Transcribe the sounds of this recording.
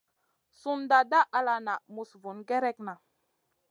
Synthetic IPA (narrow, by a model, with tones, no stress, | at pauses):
su˦nda˨da˦ʔa˨la˨na˨mu˨svu˨˦nɡɛ˦ɾɛ˦kna˨